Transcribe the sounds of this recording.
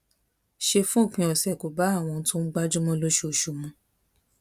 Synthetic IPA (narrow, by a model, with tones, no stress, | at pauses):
ʃe˧fũ˦o˦˨k͡pĩ˧ɔ˨sɛ˨ko˨ba˨˦a˦˨w̃ɔ̃˧n̩˦tõ˦n̩˦ɡ͡ba˦d͡ʒu˦mɔ̃˦lo˦ʃo˧ʃu˨mũ˧˦